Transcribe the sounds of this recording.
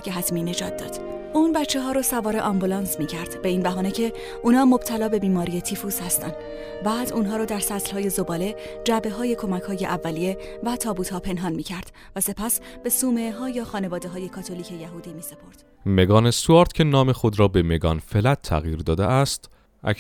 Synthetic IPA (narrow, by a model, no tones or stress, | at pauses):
keɦæt̪ʰmiːne̞d͡ʒɒːt̪̚d̪ɒ̰ːd̪̥ | uːnbætt͡ʃʰːe̞ɦɒːɾɒsævɒːɾe̞ʔɒmbulɒnsmiːcʰæɾd̪̥be̞iːnbæɦɒːne̞cʰe̞ | ʔuːnɒːmob̥̚t̪ʰælɒːbe̞biːmɒːɾije̞t̪ʰiːfushæst̪ænd̪ | bæːd̪uːnɦɒːɾɔːd̪æɾsæt̪lhɒːje̞zo̞bɒːle̞d͡ʒæbe̞ɦɒːje̞kʰo̞mæchɒːje̞ʔævːælije̞væt̪ʰɒːbuːt̪hɒːpʰe̞nɦɒnmiːcʰæɾd̪̥ | væse̞pʰæsb̥e̞suːmeɦɒːjɒːxɒːne̞vɒːd̪eɦɒːje̞kʰɒːt̪ʰo̞liːcʰe̞jæɦuːd̪iːmiːse̞pʰo̞ɾd̪̥ | meɡɒːnesuɒɾt̪cʰenɒːmexod̪ɾɒːbemeɡɒ̰nfelæt̪ʰːæ̰ɣjiːɾd̪ɒːd̪eæst̪ | ʔæ̰